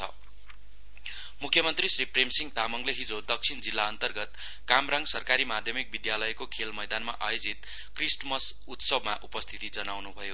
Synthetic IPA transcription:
t͡sʰʌ̰ | mukʰjʌmʌnt̪risripremsiŋt̪amʌŋɡleɦid͡zod̪ʌk̚sʰind͡zilːaʌnt̪ʌrɡʌt̪ | kamraŋɡsʌrkaɾimad̪ʱjʌmik̚bid̪jalʌjkokʰelmʌjd̪anma̰ʔa̰jod͡zit̪̚ | krisnmʌs | ut̪sʌbmaʔupʌst̪ʰit̪id͡zʌnawnubʱʌjo

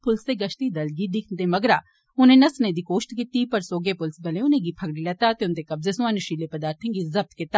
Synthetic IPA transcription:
pʊlseːɡəʃt̪iːd̪ɐlɡiːd̪ɪkʰnd̪eːmɐɡɾaː | ʊnẽːnɐsnẽːd̪iːkoːʃʈ̪kɪt̪ːiːpəɾsoːɡeːpʊlsbɐlẽːʊnẽːɡiːpʰəɡɽilɛt̪aːt̪eʊnd̪eːkɐbzesʊ̃ãːnɪʃiːleːpəd̪aːɾt̪ʰẽːŋɡiːzɐb̚t̪kɪt̪ːa

